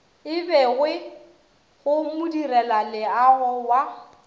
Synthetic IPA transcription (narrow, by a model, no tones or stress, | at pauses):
ɪbɛɣwɪ | ɣʊmʊdirɛlalɪaɣɔwa